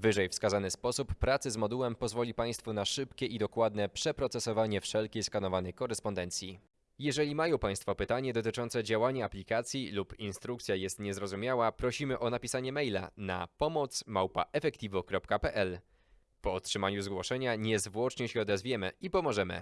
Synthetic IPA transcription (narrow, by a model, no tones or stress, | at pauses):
vɘʐɛjfskazanɘspɔsupːɾat̪sɘzmɔd̪uwɛmpɔzvɔlʲipaj̃st̪funaʂɘpkʲɛʔid̪ɔkwad̪nɛpʂɛpɾɔt̪sɛsɔvaɲɛfʂɛlkʲejskanɔvanɛjkɔɾɛspɔnd̪ɛnt̪sʲji | jɛʐɛlʲimajɔ̃w̃paj̃st̪fɔpɘt̪aɲɛd̪ɔt̪ɘt͡ʂɔnt̪sɛd͡ʑawaɲaːplʲikat̪sʲjilupinst̪ɾukt̪sʲjajɛst̪ɲɛzɾɔzumʲjawapɾɔɕimɘʔɔnapʲisaɲɛmɛjla̰na̰pɔmɔt̪smawpa̰ʔɛfɛkt̪ʲivɔkɾɔpkapɛʔɛl | pɔtʂɘmaɲuzɡwɔʂɛɲaɲɛzvwɔt͡ʂɲɛɕɛɔd̪ɛzvʲjɛmɘ̰ipɔmɔʐɛmɘ̰